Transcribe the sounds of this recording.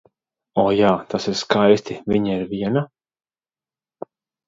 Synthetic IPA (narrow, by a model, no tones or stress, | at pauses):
ɔːjaːt̪asiɾskajst̪iviɲaiɾviɛna